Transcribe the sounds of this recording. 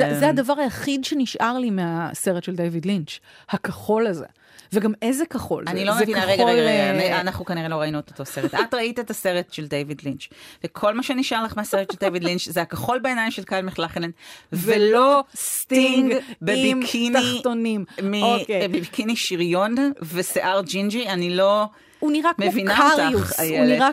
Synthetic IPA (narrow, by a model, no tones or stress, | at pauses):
zzehadɐvaʁajaχidʃeniʃʔaʁlimease̞ʁetʃeld̪ejvidlint͡ʃhakaχo̞lazḛ | veɡamezekaχo̞̰lanilo̞meevinkaʁeɡaolanaχnukaniʁelo̞ʁainot̪ot̪oseʁet̪atʁaitaetase̞ʁetʃeld̪ejvid̪lint͡ʃvekʰo̞lmaʃeniʃʔaʁlaχmeaseʁeteldevidlint͡ʃzeakaχo̞lbeenajmʃe̞lkalmiχlaχelenvelost̪iŋɡbeikʰiniχonimmiokbiikiniʃiʁjo̞nveseʔaʁd͡ʒind͡ʒianilo̞ | uniʁamevinatauajeniʁa